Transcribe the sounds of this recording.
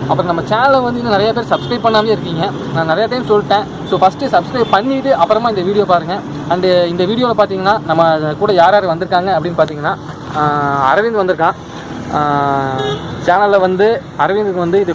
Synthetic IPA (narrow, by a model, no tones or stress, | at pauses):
ɐpːɯɾõnɐmːɐt͡ʃaːnɐlɐʋɐnd̪ɯɪnːɯnɪɾɐjapeːɾsɐbskɾɐɪp̚pːɐɳːaːmejːɪɾɯk̬ːiːŋɡɐ | nãːnɪɾɐjaːt̪eːjmsɔlʈːẽː | soːfɐsʈɯsɐbskɾɐɪpɐɳːiːʈːɯɐpːɯɾɐmãːɪnd̪ɐʋiːɽɪjoːpaːɾɯŋɡɐ̃ | ɐɳɖɪnd̪ɐʋiːɽɪjoːlɐpaːɾt̪iːŋɡɐnːaːnɐmːɐkuːɽɐjaːɾaːɾɯʋɐnd̪ɯɾɯkːaːŋɡɐɐpːɐɽɪnːpaːɾt̪iːŋɡɐnːaː | ɐ̰ɾɐʋɪnd̪ɯʋɐnd̪ɯɾɯkːãː | t͡ʃaːnɐlʋɐnd̪ɯ | ɐɾɐʋɪnd̪ɯkːɯʋɐnd̪ɯɪðɯ